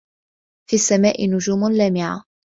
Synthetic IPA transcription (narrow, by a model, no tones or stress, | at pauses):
fiːasːamaːʔɪnʊd͡ʒuːmlaːmɪʕa̰